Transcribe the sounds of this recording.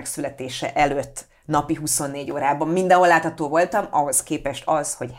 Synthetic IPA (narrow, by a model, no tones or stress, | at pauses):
ɛksylɛt̪eːʃɛ̰ʔɛløt̪ː | nɒpiɦuso̞nːeːɟoːɾaːbɒmːind̪ɒ̃ɦolːaːt̪hɒt̪oːvo̞lt̪ɒmɒɦo̞skeːpɛʃt̪ɒzho̞ɟ